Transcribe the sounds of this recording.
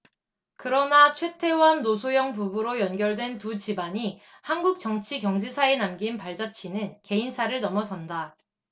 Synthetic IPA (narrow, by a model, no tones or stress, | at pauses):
kɯɾʌnat͡ɕʰwe̞tʰe̞wanːosʰojʌŋp̬ubuɾojʌnɡjʌɭdwe̞ntud͡ʑibaɲi | hanɡuk̚t͡ɕ͈ʌŋt͡ɕʰiɡjʌŋd͡ʑʰisʰaenamɡinpaɭd͡ʑat͡ɕʰinɯnke̞insʰaɾɯɭnʌmʌsʌnda